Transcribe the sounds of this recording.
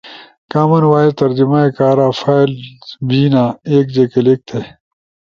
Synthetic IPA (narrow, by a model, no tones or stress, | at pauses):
kaːmɐnwaːit̪ɐɾd͡ʑimaːekaːɾaːfʰaːjlbiːnaːeːk̚d͡ʑekelek̚t̪ʰe